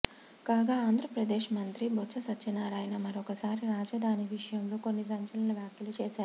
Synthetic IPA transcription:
kaːɡaːaːnd̪ʱɾɐpɾɐd̪eːʂmɐnt̪ɾibʱot͡ʃʰːɐsɐːɐnaːɾaːjnɐmɐɾokɐsaːɾiɾaːd͡ʒɐd̪ʱaːniʋiʂɐjɐmloːko̞nːisɐɲt͡ʃɐlɐnɐʋjaːkjɐlut͡ʃeːsaːɾu

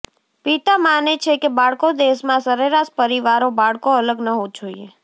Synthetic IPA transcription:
pit̪amanet͡ʃʰekebaɭkod̪eʃmãsəɾeɾaʃpəɾiʋaɾobaɭkoələɡnəɦod͡ʒoie

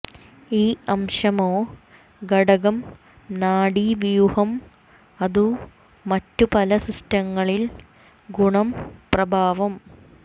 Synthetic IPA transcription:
iːɐmʂɐmoː | ɡɐɽɐɣɐm | naːɽiʋijuhɐm | ɐðu | mɐtːupɐlɐsistɐŋːɐɭil | ɡuɳɐmprɐbʱaːʋɐm

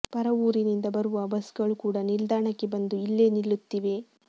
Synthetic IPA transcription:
pɐɾɐʋuːɾinind̪ɐbɐɾuʋɐbɐsɡɐɭukuːɽɐnild̪aːɳɐkːe̞bɐnd̪uilːe̞ːnilːut̪ːiʋe̞

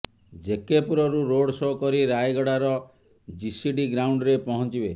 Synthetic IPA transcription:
d͡ʒekepuɾɔɾuɾoɽsokɔɾiɾajɡɔɽaɾɔ | d͡ʒisiɖiɡɾawɳɖɾepɔɦɔnt͡ʃibe

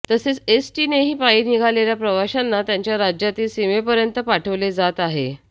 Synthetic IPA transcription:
t̪əset͡sesʈineɦiːpaiɾniɡʱaleljapɾəʋaɕanːat̪jaɲt͡ɕjaɾad͡ʑjat̪iːlsimepəɾjənt̪əpaʈʰəʋled͡zat̪aɦe

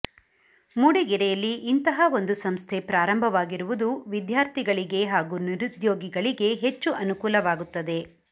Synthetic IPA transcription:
muɽiɡiɾɛjɐlːiʔːnt̪ɐɦɐo̞nd̪usɐmst̪ʰe̞pɾaːɾɐmbʱɐʋaːɡiɾuʋud̪uʋid̪jaːɾt̪ʰiɡɐɭiɡe̞ɦaːɡuːniɾud̪joːɡiɡɐɭiɡe̞ɦet͡ʃːuʔɐnukuːlɐʋaːɡut̪ːɐd̪e̞

